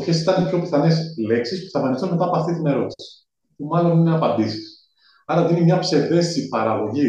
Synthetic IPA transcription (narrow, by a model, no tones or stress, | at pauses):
çesit̪ɐnepço̞pi̥θɐnesle̞ksispu̥sθɐfɐnist̪onme̞t̪ɐpoɐft̪it̪ine̞ɾo̞t̪i̥si̥ | tumɐlo̞nineɐpɐnd̪isi̥s | ɐɾɐðinimɲɐpse̞ðe̞st̪isipɐɾɐɣo̞ʝi